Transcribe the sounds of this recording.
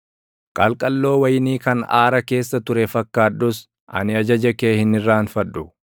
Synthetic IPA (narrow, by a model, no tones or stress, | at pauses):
kʼɐlkʼɐlːo̞ːwɐjɪniːkɐna̰ːɾɐke̞ːsːɐt̪ʊɾɛfɐkːaːᶑʊs | ʔɐ̰nɪɐd͡ʒɐd͡ʒɐkeːhɪnɪrːaːnfɐᶑʊ